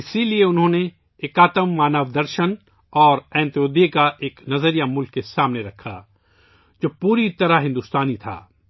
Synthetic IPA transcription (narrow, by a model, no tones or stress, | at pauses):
ɪsilieʊnɦõne | eːkaːt̪əmːaːnəʋd̪ɐɾʃən | ɔːɾɛ̃ːnt̪ijoːd̪ekaʔeːknɐzəɾijamʊlkːesaːmneɾɐkʰa̰ː | d͡ʒoːpuːɾit̪ɐɾaɦɪ̃nd̪ʊːst̪aːnit̪ʰa̰ː